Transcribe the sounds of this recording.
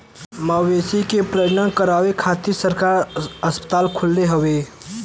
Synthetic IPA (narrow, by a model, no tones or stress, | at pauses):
maʋesikepɾəd͡ʒnənkəɾaːʋekʰat̪isəɾkaɾəspə̥t̪aːlkʰʊlːeɦəʋe